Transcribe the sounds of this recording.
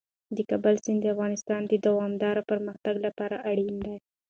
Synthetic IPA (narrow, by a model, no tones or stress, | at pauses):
d̪əkabalsɪnd̪əafɣɑnɪst̪ɑnd̪əd̪awɑmd̪ɑɾapəɾməxt̪aɡlapɑɾaʔaɽind̪aj